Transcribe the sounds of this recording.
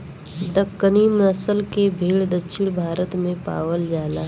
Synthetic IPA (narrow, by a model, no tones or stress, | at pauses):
d̪ɐkːəniːmɾəsəlkebʱeːɭd̪əkʃʰɪɽ̃bʱaːɾət̪mẽpa̰ːʋəld͡ʒaːlaː